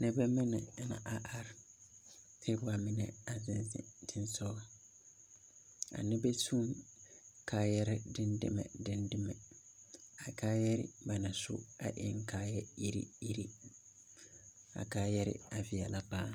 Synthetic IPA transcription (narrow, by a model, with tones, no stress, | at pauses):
nɛ̃˦bɛ˦mɪ̃˦nɪ̰̃˨nã̰˨ʔa˨ʔa˦ɾ | tʰɪ˦bʊ˦a˨mɪ̃˦nɛ̰̃˨a˨zɪ̃˦nɪ̰˨tʰɪ̃˦nsɔ˦ | a̰˨nɪ̃˦bɛ˦tʰũ˦m | kʰaː˦jɛ˦ɾɪ˦dɪ̃˦ndɪ̰˦mɛ̰̃˨dɪ̃˦ndɪ˦mɛ˨ | a˨kʰaː˦jɛ˦ɾɪ̰˦ba˨nã˨sʊ̰˦a̰˨ʔɪ˦ŋ˦kʰaː˦jɛ˦i˦ɾḭ˦i˦ɾi˦ | a̰˨kʰaː˦jɛ˦ɾɪ̰˦a˨fɪ˨ɛ˨la˦baː˦